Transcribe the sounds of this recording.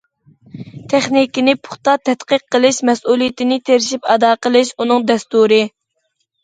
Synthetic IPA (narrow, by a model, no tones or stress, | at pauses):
t̪ʰeχnikʲinɪpʰʊ̥χt̪ɑt̪ʰɛt̪qəqʰːəlˠɨʃmɛsulˠijit̪ʰɪnɪt̪ʰeɾɪʃipɑd̪ɑːqʰəlˠɨʃunɨŋd̪ɛst̪uɾɨ